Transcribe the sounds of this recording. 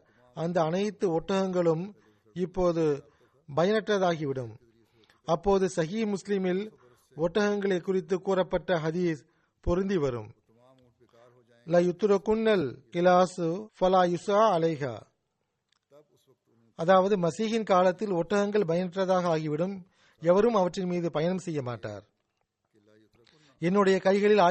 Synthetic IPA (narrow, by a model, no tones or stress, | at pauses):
ɐnd̪ɐːnɐɪt̪ːɯɔʈːɐɣɐŋɡɐɭɯm | ɪpːoːðɯ | bɐjɐnɐʈrɐðaːɣɪʋɪɽɯm | ɐpːoːðɯsɐɣiːmʊslɪmɪl | ɔʈːɐɣɐŋɡɐɭɐɪkːʊrɪt̪̬ːɯkːuːrɐpːɐʈːɐɦɐðiːs | pɔɾɯnd̪iʋɐɾɯ̰m | lɐjʊt̪ːɾɐkːʊnːɐlkɪlaːsfɐlaːjʊsaːɐlɐɪɣa̰ː | ɐðaːʋɐðɯmɐsiːɣɪnkaːlɐt̪ːɪlɔʈːɐɣɐŋɡɐɭbɐjɐnɪʈrɐðaːɣɐaːɣɪʋɪɽɯm | ɛʋɐɾɯmɐʋɐʈrɪnmiːðɯpɐjɐnɐmsɛjːɐmaːʈːa̰ːɾ | ɛnːɯɽɐjɐkɐɪɣɐɭɪlaː